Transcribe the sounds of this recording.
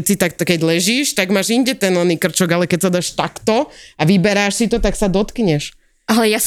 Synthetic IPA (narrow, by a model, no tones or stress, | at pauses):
sit̪akt̪ɔkɛɟlɛʒiːʃt̪aɡmaːʒiɲɟɛt̪ɛnɔniːkr̩t͡ʃɔɡalɛkɛcsad̪aːʃt̪akt̪ɔaʋibɛɾaːʃsit̪ɔt̪aksad̪ɔt̪kɲɛʃ | alɛjas